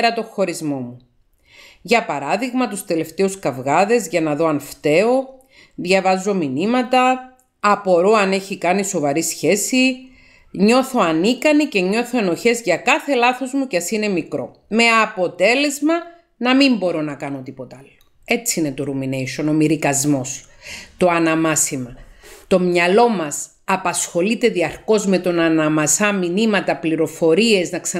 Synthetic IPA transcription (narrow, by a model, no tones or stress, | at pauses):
ɾɐt̪o̞xo̞ɾizmo̞mu | ʝɐpɐɾɐðiɣmɐt̪ust̪e̞le̞ft̪e̞uskɐvɣɐðe̞zʝɐnɐðo̞ɐnft̪e̞o̞ | ðʝɐvɐzːo̞minimɐt̪ɐː | po̞ɾo̞ɐne̞çikɐniso̞vɐɾisçe̞si | ɲo̞θo̞ɐnikɐnice̞ɲo̞θo̞e̞no̞çe̞zʝɐkɐθe̞lɐθo̞zmuceɐsine̞mikɾo̞̰ | me̞ɐpo̞t̪e̞le̞zmɐ | nɐmimbo̞ɾo̞nɐkɐno̞t̪ipo̞t̪ɐɐlːo̥ | e̞t͡siine̞t̪o̞ɾumine̞jʃo̞no̞miɾikɐzmo̞s | t̪o̞ɐnɐmɐsimɐt̪o̞mɲɐlo̞mɐs | ɐpɐsxo̞lit̪e̞ðiɐɾko̞zme̞t̪o̞nɐnɐmɐsɐminimɐt̪ɐpliɾo̞fo̞ɾie̞znɐksɐ